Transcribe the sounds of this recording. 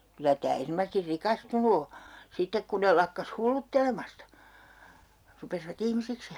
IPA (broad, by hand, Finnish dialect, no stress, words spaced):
kylæ tæː ernomɑsesti rikɑstunu o sitːek kun ne lɑkːɑs hulːutːelemɑstɑ rupesiʋɑt ihmisiks